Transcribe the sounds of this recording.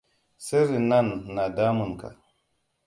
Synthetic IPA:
se˦ɾi˨na˦nːa˨da˦mu˨nka̰˨

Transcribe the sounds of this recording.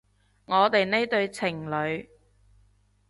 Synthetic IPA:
ŋɔː˨˧t̪e˨jne˥jt̪ɵ˧ɥt͡sʰɪ˨˩ŋlɵ˨˧ɥ

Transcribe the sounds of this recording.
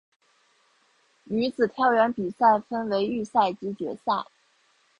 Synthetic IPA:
ny˧˥d͡zɹ̩˨˩t̪ʰjɑ˥˩ʊɥɛ˧˥npi˨˩sa˥˩ɪfə˥nwe˧˥ɪy˥˧sa˥˩ɪt͡ɕi˧˥t͡ɕɥɛ˧˥sa˥˩ɪ

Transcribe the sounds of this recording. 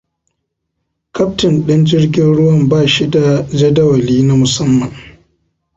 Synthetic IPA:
kʰɐ˦ptɪ˨nɗɐ˦nd͡ʒɪ˦rɡʲɪ˦nɽʊ˦wɐ˦˨mbaː˦˨ʃi˦da˨d͡ʒɐ˦dɐ˦wɐ˨liː˦na˦mʊ˨sɐ˦mːɐ˨ŋ

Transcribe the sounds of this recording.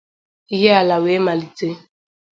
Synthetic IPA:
i˦ɦe˦a˨la˨we˨˦ma˨li˨te˦

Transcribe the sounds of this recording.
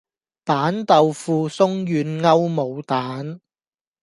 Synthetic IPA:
paː˨˥nt̪ɐ˨wfuː˨˧sʊ˥ŋjyː˨˧nŋɐ˥wmo˨˧wt̪aː˨˦˥n

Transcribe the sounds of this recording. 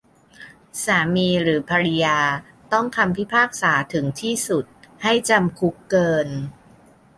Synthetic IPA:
saː˩˦miː˧ɾɯː˩˦pʰaː˧ɾi˧jaː˧ | t̪ɔ˥˩ŋk̪ʰa˧mpʰi˦˥˩pʰaː˥˩k̚saː˩˦t̪ʰɯ˩˦ŋt̪ʰiː˥˩su˨˩t̪̚ha˥˩jt͡ɕa˧mkʰu˦˥kːɤː˧n

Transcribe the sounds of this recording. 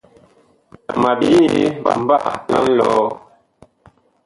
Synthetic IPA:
ma˨bi˦˨ba˨m˦ba˦˨ʔla˦lɔ˦

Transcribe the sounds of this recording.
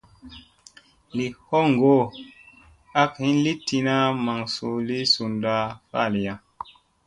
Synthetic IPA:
li˨ho˦ŋɡo˦˨ | a˦khi˦nli˦ti˧na˦ma˨ŋsu˨li˦su˨nda˦fa̰˦˨li˨ja˦

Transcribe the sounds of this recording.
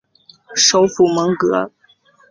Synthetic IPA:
ʂo˧˥ʊfu˨˥mə˧˥ŋkɤ˧˥

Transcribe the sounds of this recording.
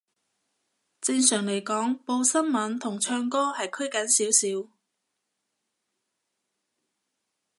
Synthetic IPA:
t͡sɪ˧ŋsœː˨˩ŋle˨˩jkɔː˨˥ŋpo˧wsɐ˥nmɐ˨˥nt̪ʰʊ˨˩ŋt͡ʃʰœː˧ŋkɔː˥hɐ˨jkʰɵ˥ɥkɐ˨˥nsiː˨˥wsiː˨˥w

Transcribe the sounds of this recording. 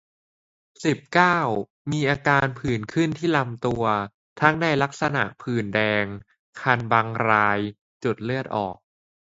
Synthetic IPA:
si˨˩p̚kaː˥˩w | miː˧ʔaː˧kaː˧npʰɯː˨˩nkʰɯ˥˩nt̪ʰiː˥˩la˧mt̪u˧ɐ | t̪ʰa˦˥ŋna˧jla˦˥k̚sa˧na̰˨˩ʔpʰɯː˨˩ndɛː˧ŋ | kʰa˧nba˧ŋɾaː˧j | t͡ɕu˨˩t̪̚lɯ˥˩ət̪̚ʔɔ̰ː˨˩k̚

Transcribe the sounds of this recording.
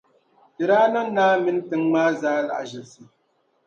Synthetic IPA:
tɨ˨ɾaː˦nɨ˦m˦naː˦mɪ˦n˦tɨ˨ŋmaː˦zaː˦la̰˨ʒɪ˨lsɨ˨

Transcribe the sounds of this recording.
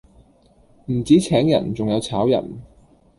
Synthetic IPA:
m̩˨˩t͡siː˨˥t͡sʰɛː˨˥ŋjɐ̰˨˩nt͡sʊ˨ŋjɐ˨˧wt͡sʰaː˨˥wjɐ̰˨˩n

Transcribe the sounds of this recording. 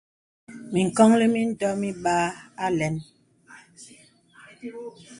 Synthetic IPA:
mi˨ŋ̩˨kɔ˦ŋle˦mi˦n̩˦dɔ˦mi˦ɓaː˦a˦lɛ˨˦n

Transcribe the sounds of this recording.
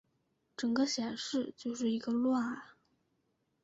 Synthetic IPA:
ʈ͡ʂɤ˨˩ŋɡə˦ɕjɛ˨˩nʂɻ̩˥˧t͡ɕjo˥˧ʊʂɻ̩˥˩i˧˥ɡə˧lwa˥˩n

